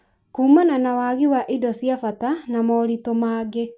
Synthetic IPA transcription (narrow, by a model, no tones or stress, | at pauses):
kuːmananawaːɣiwaʔidɔsjafatanamɔɾitomaːɡe